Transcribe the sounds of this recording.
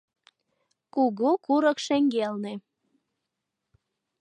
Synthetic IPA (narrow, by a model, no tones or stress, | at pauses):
kuɣukuɾəkʃeŋɡelne